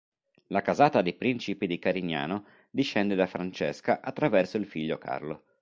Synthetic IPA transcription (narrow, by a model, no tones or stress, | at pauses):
lakazaːt̪ad̪ipɾint͡ʃipid̪ikaɾina̰ːno | d̪iʃːɛnd̪ed̪afɾant͡ʃɛskaʔat̪ːɾavɛrsoilfiʎːokʰa̰rlo